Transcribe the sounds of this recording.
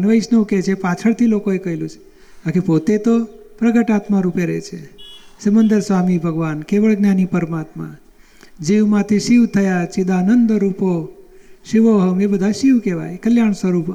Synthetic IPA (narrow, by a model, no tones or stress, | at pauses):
nʋəjʃneũket͡ʃʰepat͡ʃʰəɭt̪ʰilokoekəɦilũt͡ʃʰe̥ | akepot̪et̪opɾəɡəʈat̪maɾupeɾḛt͡ʃʰesəmənd̪əɾsʋamibʱəɡʋankeʋəɭɡnjanipəɾmat̪mã̰ | d͡ʒiʋmãt̪ʰiʃiʋt̪ʰəjat͡ʃid̪aːnənd̪əɾupoʃiʋoɦəŋɡebəd̪ʱaʃiʋkeʋa̰jkəljaɳsʋəɾup